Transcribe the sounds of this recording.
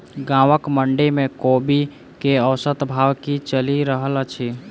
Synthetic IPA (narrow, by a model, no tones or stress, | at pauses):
ɡãʋəkməɳɖemekobi | keəwsət̪bʱawkit͡ʃəliɾəɦəlat͡ʃʰi